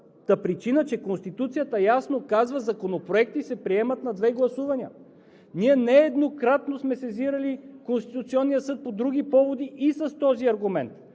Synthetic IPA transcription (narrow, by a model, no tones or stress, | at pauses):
t̪əpɾit͡ʃinət͡ʃɛkonst̪it̪ut̪sijət̪əjasnokazvəzɐkonopɾoɛk̚t̪isɛpɾiɛmət̪nɐd̪vɛɡlˠɐsuvɐnʲiə | niɛnɛːd̪nokɾat̪nosmɛsɛziɾɐlikonst̪it̪ut̪siɔnːijəsɤt̪̚pod̪ɾuɡ̟ipɔvod̪iʔːsɐst̪ɔziɐɾɡumɛnt̪